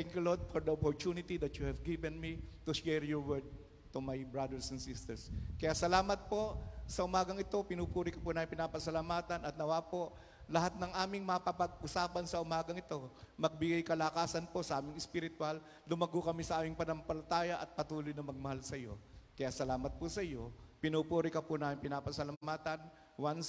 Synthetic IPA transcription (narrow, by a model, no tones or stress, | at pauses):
t̪ɛŋkjulod̪̚fɔɹd̪ɐʔopɔɾt̪unɪt̪id̪ɐt̪juhɛvɡɪvɛnmit̪ʊʃɛɹjɔɹwɛɹd̪̚ | t̪umɐjbɹad̪ɛɹsɛnsɪst̪ɛɹskɐjasɐlaːmɐt̪̚po̞sɐʔʊmaːɡɐŋɪt̪o̞pɪnuːpuːɾɪkɐpunaːmɪmpɪnaːpɐsɐlamaːt̪ɐnɐt̪̚nɐwaːpo̞ʔ | lɐɦat̪̚nɐŋʔaːmɪŋmɐpɐpɐɡ̚ʔʊsaːpɐnsɐʔʊmaːɡɐŋɪt̪o̞mɐɡ̚bɪɡajkɐlakaːsɐnposɐʔaːmɪŋɛspɪɾɪt̪ʊwalː | ʊmɐɡʊkɐmisɐʔaːmɪŋpɐnɐmpɐlɐt̪aːjɐʔɐt̪̚pɐt̪uːlojnɐmɐɡ̚mɐhalsɐjo̞kɐjaːsɐlaːmɐt̪̚pʊsɐjo̞pɪnuːpuːɾɪkɐpʊnaːmɪŋpɪnaːpɐsɐlamaːt̪ɐn | wans